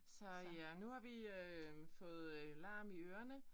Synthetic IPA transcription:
sɒ̽ænuhɑ̈ʋiøfɔ̽ːð̞̩ˠlɑ̈ːmiøːɐnə

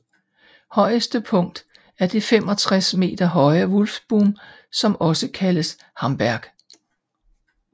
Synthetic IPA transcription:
hɒ̽ɪ̰əsd̥əpʰɔ̽ŋ̰d̥ | æɐd̥e̝femɒ̽t͡sʰʁasme̝̰ːd̥ɐɦɒ̽ɪɐʋɔlfb̥uːm | sɒ̽mɒ̽səkʰæləs | hɑ̈mb̥æɐɡ̥

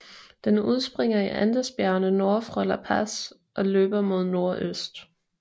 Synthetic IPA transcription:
d̥enuð̞ˠsb̥ʁeŋ̰ɐiʔænd̥əsb̥jæɐnəno̝ɐfʁɒlɐpʰæs | ʔɒ̽løːb̥ɐmo̝ð̞ˠno̝ɐʔøsd̥

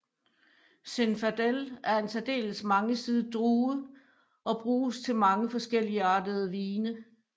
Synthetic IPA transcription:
senfæd̥elæɐe̝nsæd̥e̝̰ːləsmɑ̈ŋəsiðˠəd̥ʁuːð̩ˠ | ʔɒ̽b̥ʁuːst͡sʰe̝lmɑ̈ŋəfɒ̽sɡ̥el̰iəɑ̈ːd̥əð̞ˠəʋiːnə

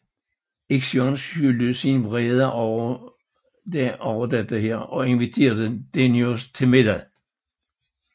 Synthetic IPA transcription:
eɡ̥sjɒnsyld̥əsinʋʁɛːð̞ˠɐʔɒ | d̥ɒʊɐd̥æd̥eɦeɐ̰ʔɒ̽e̝nʋit͡sʰe̝̰ːɐðəd̥enjost͡sʰe̝lme̝d̥æðˠ

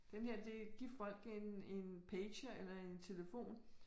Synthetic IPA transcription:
d̥enheɐ̰d̥e̝ɡ̥iɐ̰fɒ̽l̰ɡ̥ene̝npʰeːɕɐelɐe̝nt͡sʰe̝ləfo̝̰ːn

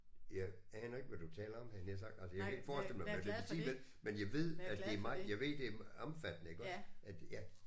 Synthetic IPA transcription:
jɑɪ | ɛːnɐe̝ɡ̥ʋæd̥ut͡sʰɛːlɐɒ̽mhænjæs̬ɑ̈ɡ̥̚d̥ælsəjakʰæe̝ɡ̥fɒːsd̥el̩̰əmɑt͡sʰepʰesḭːʋel | menjɑ̈ɪʋe̝ð̰ˠæd̥e̝æɐmɑ̈ɪjɑ̈ɪʋe̝ð̰ˠd̥e̝ɐɒmfæd̥ənəe̝ɡ̥ɒsʔæd̥jæ

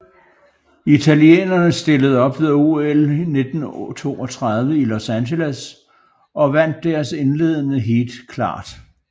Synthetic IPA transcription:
it͡sʰæliḛːnɐnəsd̥e̝ləð̞̩ˠɒ̽b̥ʋe̝ðˠuelne̝d̥n̩t͡sʰo̝̰ːɒt͡sʰʁɑð̞ˠʋəilo̝sænɕeləs | ɒ̽ʋæn̰d̥ːæɐse̝nle̝ːð̞̰ˠənəɦe̝̰ːld̥kʰlɑ̰̈ːd̥

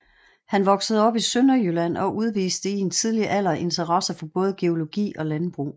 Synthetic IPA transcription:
hænʋɒ̽ɡ̥səð̞̩ˠɒ̽b̥isønɐjølæn̰ɒ̽ʔuð̞ˠʋḭːsd̥əie̝nt͡sʰið̞ˠliʔæl̰ɐʔe̝nt͡sʰɐʁɑsɐfɒ̽b̥ɔ̽ːð̞̩ˠəɡ̥e̝o̝lo̝ɡ̥ḭːɒ̽lænb̥ʁṵː

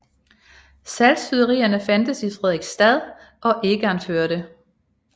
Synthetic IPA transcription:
sælsfyðˠɐʁḭːɐnəfænd̥əsifʁɛðˠiɡ̥sd̥æðˠ | ɒ̽ʔe̝ɡ̥əɑnføɐɾ̥ə

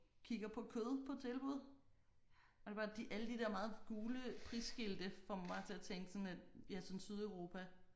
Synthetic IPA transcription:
kʰiɡ̥ɐpʰɒ̽kʰøðˠpʰɒ̽t͡sʰe̝lb̥uð̞̰ˠ | ɒde̝b̥ɑ̈ːd̥iʔæləd̥id̥eɐmɑ̈ːð̩ˠɡ̥uːləpʰʁisɡ̥ild̥əfɒmb̥ɑ̈ːt͡sʰe̝æt͡sʰeŋ̰ɡ̥sɔ̽næd̥jæsɔ̽nsyð̞ˠœʊʁo̝ːpʰæ

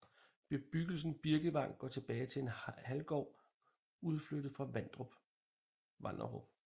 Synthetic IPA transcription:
b̥e̝b̥yɡ̥l̩sn̩b̥iɐɡ̥əʋɑ̈ŋ̰ɡ̥ɒ̰ːt͡sʰe̝b̥ɛːɪt͡sʰe̝e̝nhælɡ̥ɒ̰ʊ̰ | uð̞ˠflød̥ð̩ˠfʁɑ̈ʋænd̥ʁɔb̥ | ʋɑ̈nɐʁob̥

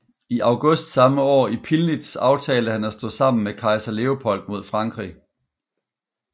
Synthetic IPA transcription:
iʔɑ̈ʊɡ̥ɔsd̥sɑ̈məɒ̰ːipʰilnid̥sɑ̈ʊt͡sʰɛːləhænæsd̥ɔ̰̽ːsɑ̈m̰n̩mekʰɑ̈ɪsɐle̝opʰɒ̽l̰d̥̚mo̝ð̞̰ˠfʁɑ̈ŋɡ̥ʁḭ

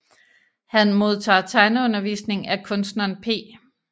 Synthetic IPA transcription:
hænmo̝ð̞ˠt͡sʰɑ̰̈ːt͡sʰɑ̈ɪnəɔ̽nɐʋḭːsne̝ŋækʰɔ̽nsd̥nɐnpʰe̝̰ː

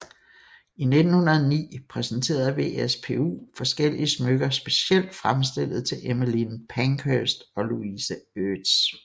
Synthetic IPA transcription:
ine̝d̥n̩hunɐð̩ˠnḭːpʰʁɛsn̩t͡sʰe̝̰ːɐðˠʋe̝espʰe̝ṵːfɒ̽sɡ̥el̰iəsmøɡ̥ɐsb̥e̝siel̰d̥fʁamsd̥e̝l̰ð̞̩ˠt͡sʰe̝lʔeməlinpʰæŋkʰøsd̥ɒ̽luisæød̥s

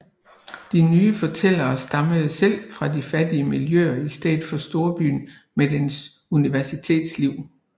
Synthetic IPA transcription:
d̥inyːəfɒ̽t͡sʰel̰ɐːsd̥ɑ̈məð̩ˠsel̰fʁɑ̈difæd̥iəmiljø̰ɐisd̥ɛ̰ːð̥ˠfɒ̽sd̥o̝ɐb̥y̰ːn | med̥ens | uniʋæɐsit͡sʰe̝̰ːd̥sliʊ̰

